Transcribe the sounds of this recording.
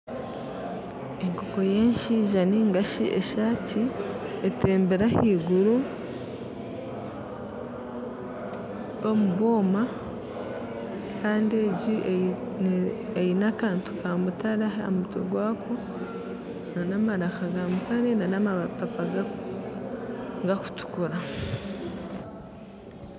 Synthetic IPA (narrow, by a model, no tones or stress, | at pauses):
e̞ŋko̞ko̞jeːnʃiʒaniŋɡaʃiʔḛʃaːciete̞ːmbeɾahiːɡuɾu | o̞muβo̞ːma | kʰaːndieɟi | ejinakaːntu̥kʰaːmutaɾaɦao̰mutḛɡwaːkʰo̞ | nanamaɾaxaɡamukaɾenanamapapaɡa | ɡaku̥tu̥kuɾa